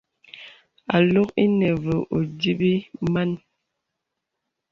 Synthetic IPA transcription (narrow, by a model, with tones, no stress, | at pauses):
a˨lo˦ki˦nɛ˨və˨ʔo˨di˦bi˦ma˦n